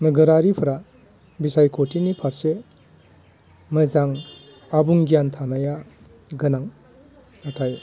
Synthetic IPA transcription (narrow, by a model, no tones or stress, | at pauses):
nɯɡɯɾaɾipʰɯɾa | bisajkʰotʰinipʰaɾse | mɯzaŋ | abuŋɡijantʰanaja | ɡɯnaŋ | atʰaj